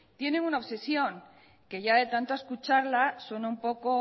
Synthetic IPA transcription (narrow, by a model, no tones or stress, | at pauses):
t̪je̞neŋunaoβse̞sjo̞ŋ | ke̞ʝaðe̞t̪ant̪oaeskut͡ʃaɾlasonaumpo̞ko